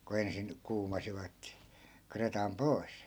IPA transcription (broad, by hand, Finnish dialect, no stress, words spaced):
ku ensin kuːmɑsiʋɑt kretɑm poi̯s